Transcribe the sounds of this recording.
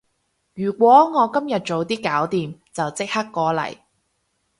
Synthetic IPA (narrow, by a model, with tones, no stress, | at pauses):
jyː˨˩kʷɔː˨˥ŋɔː˨˧kɐ˥mjɐ˨t̚t͡ʃo˨˧wt̪iː˥kaː˨˥wt̪iː˨mt͡sɐ˨wt͡sɪ˥k̚ha˥kːɔː˨˥lɐ̰˨˩j